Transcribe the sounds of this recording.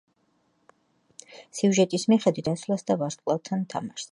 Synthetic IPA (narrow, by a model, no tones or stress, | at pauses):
siuʒɛt̪ʼismiχɛd̪wit̪asvlasd̪avaɾsʼqʼlˠavt̪ʰant̪ʰamaʃ